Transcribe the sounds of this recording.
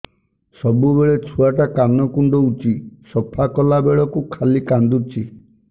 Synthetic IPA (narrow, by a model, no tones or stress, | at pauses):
sɔbubeɭet͡ʃʰuaʈakanɔkuɳɖɔut͡ʃisɔpʰakɔlabeɭɔkukʰalikand̪ut͡ʃʰi